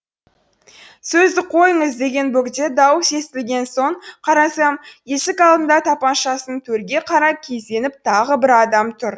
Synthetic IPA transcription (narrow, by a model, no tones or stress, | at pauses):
sɵzd̪ɪqʰo̞jəɴəzd̪e̞ɡʲe̞nbɵkd̪ed̪ɑwse̞st̪ɪlɡʲe̞nso̞ɴqʰɑɾɑsɑmje̞sɪkɑlˠd̪ənd̪ɑt̪ʰɑpɑnʃɑsənt̪ʰɵɾɡʲe̞qʰɑɾɑkʲʰe̞zd̪e̞nɪp̚t̪ʰɑʁəbɪɾɑd̪ɑmt̪ʰʊɾ